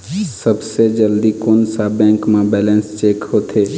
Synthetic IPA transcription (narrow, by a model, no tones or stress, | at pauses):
səbsed͡ʒəld̪ikoːnsabɛ̃ːŋkmẽbɛːlɛ̃nst͡ʃeːkhoːt̪ʰeː